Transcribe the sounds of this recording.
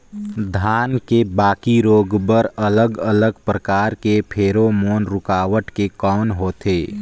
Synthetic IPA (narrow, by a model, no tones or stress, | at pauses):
d̪ʱaːnkebaːkiɾoːɡbəɾələɡələɡpɾəkaːɾkepʰeːɾomoːnɾʊkaːʋəʈkekɔːnɦoːt̪ʰeː